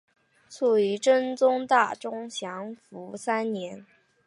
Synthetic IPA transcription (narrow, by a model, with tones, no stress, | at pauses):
t͡sʰu˥˩i˧˥ʈ͡ʂə˥nt͡sʊ˥ŋt̪a˥˩ʈ͡ʂʊ˥ŋɕjɑ˧˥ŋfu˧˥sa˥nnjɛ˧˥n